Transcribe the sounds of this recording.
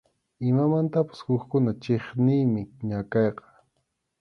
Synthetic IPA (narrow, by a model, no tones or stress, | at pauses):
ɪmamant̪apḁshʊkkʊnat͡ʃeχnɪjmɪɲakɑjqɑ̥